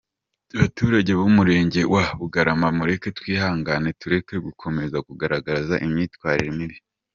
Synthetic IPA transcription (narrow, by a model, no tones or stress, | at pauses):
aβatuːɾaɟe̞βumuɾe̞ːɲɟe̞wʔaβuɡaɾamamuɾe̞ke̞twiːhaːŋɡane̞tuɾe̞ke̞ɡukʰo̞me̞zakuɡaɾaɡazaʔimɲiːtwaːɾiɾimiɾi